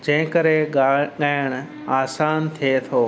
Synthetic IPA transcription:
d͡ʑɐ̃ɦɪ̃kəɾeɠaɠaːɪɽ̃ | aːsaːnt̪ʰiet̪ʰoː

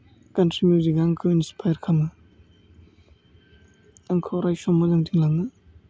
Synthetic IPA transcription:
kɐntɾimjuziɡaaŋkʰɯwinspʰajɐɾkʰamɯ | aŋkʰɯwɾajsɔmːɐzaŋtʰiŋlaŋnɯ

